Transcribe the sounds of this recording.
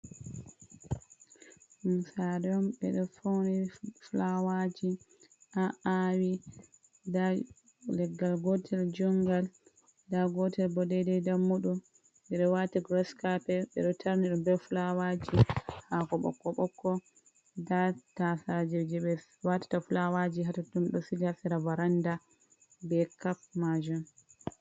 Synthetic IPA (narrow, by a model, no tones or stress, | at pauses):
ɗumsaɾɛɔmɓɛ̰ɗɔfowniflawad͡ʒi | ʔaʔawi | da | lɛɡːalɡɔtʰɛld͡ʒɔŋɡal | daɡɔtɛlbɔdɛdɛdamːuɗu | ɓɛɗɔwataɡɾɔskapɛɓɛ̰ɗɔtʰaɾniɗumbɛfulawad͡ʒihakɔɓɔ̰kːɔɓɔkːɔ | datasad͡ʒɛd͡ʒɛɓɛ | watḁtafulawad͡ʒiɦatatumɗɔsid͡ʒasɛɾavaɾanda | bɛkap̚mad͡ʒum